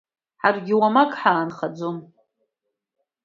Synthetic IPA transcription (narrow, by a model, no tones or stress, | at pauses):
ħarɡʲɪwamakʼħaːnχad͡zom